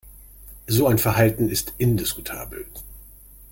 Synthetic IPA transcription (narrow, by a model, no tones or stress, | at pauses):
zoːaɪnfɛɐɦaltn̩ɪstʔɪndɪsku̥tʰa̰ːbl̩